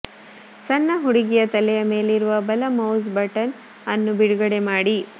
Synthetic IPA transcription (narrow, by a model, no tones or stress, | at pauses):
sɐnːɐɦuɽiɡijɐt̪ɐlɛjɐme̞ːliɾuʋɐbɐlɐmɐwzbɐʈɐn | ɐnːubiɽuɡɐɽemaːɽi